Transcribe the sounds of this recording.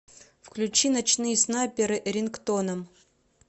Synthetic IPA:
fklʲʉt͡ɕinɐt͡ɕnɨjəsnapʲɪɾɨʔɾʲɪnkt̪onəm

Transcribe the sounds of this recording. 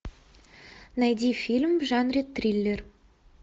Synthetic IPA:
næjd̪ʲifʲilʲmʒɑnrʲet̪ːrʲilʲːer

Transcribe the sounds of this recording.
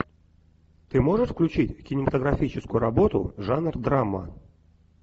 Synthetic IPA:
t̪ɨmo̞ʐɨʂfklʲʉt͡ɕitʲkʲɪnʲɪmət̪əɡɾɐfʲit͡ɕɪskʊjʊɾɐbo̞t̪ʊ̰ʐanrd̪ɾamːə̰

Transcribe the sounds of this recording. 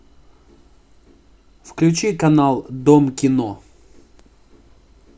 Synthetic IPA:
fklʲʉt͡ɕikɐnalˠd̪omkʲɪno

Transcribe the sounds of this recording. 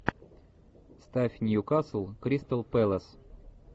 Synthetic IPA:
st̪afʲnʲjukaslˠkɾʲist̪alˠpɛlˠəs

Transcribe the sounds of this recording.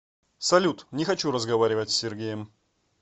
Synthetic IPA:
sɐlʲut̪nʲɪxɐt͡ɕuɾəzɡɐvaɾʲɪvətʲsʲːɪrɡʲejəm

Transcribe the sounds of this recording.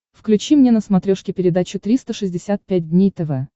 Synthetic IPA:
fklʲʉt͡ɕimnʲenəsmɐt̪ɾʲoʂkʲɪpʲɪɾʲɪd̪at͡ɕʊt̪ɾʲist̪əʂɨzʲdʲɪsʲat̪̚pʲæt̚ʲdʲnʲejt̪ɛvɛ

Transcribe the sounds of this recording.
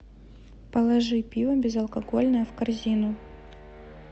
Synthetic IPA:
pəlˠɐʐɨpʲivɐbʲɪzɐlˠkɐɡolʲnəjəfkɐrzʲinʊ

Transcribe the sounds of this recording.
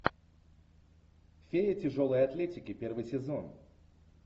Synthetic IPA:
fʲeɪtʲɪʐolˠəjɐt̪lʲetʲɪkʲɪpʲervɨjsʲɪzo̞n

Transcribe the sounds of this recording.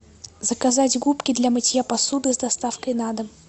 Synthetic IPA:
zəkazatʲɡupkʲɪd̪lʲɐmɨtʲjapɐsud̪ɨzd̪ɐst̪afkəjnad̪ɨ

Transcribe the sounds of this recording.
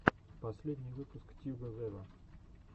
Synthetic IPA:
pɐsʲlʲed̪ʲnʲɪjvɨpʊskt̪ʲuɡəvɛlə

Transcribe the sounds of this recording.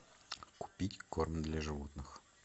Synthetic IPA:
kʊ̥pʲitʲkornd̪lʲaʐɨvot̪nɨx

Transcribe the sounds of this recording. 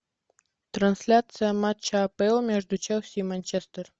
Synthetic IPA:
t̪ranʲsʲlʲat̪sɨjamat̪t͡ɕːapɛlˠmʲeʐd̪ut͡ɕewsʲimanʲt͡ɕest̪ər

